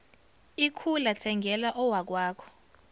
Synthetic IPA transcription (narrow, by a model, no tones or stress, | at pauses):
ikʰulatʰɛŋɡʱɛlaʔɔwak̬waːkʰɔ̥